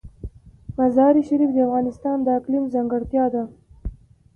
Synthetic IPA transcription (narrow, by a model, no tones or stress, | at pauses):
mazɑɾiʃaɾifd̪əafɣɑnɪst̪ɑnd̪əaklimzaŋɡaɽt̪jɑd̪a